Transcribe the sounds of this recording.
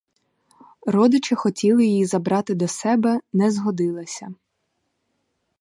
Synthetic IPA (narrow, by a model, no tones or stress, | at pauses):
rɔd̪ɪt͡ʃɪxɔtʲilˠɪjijizɐbɾɑt̪ɪd̪ɔsɛbɛnɛzɦɔd̪ɪlˠɐsʲɐ